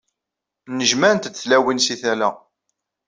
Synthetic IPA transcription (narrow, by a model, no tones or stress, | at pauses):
nəʒmæɾənt̪d̪θlæwinsiθælæ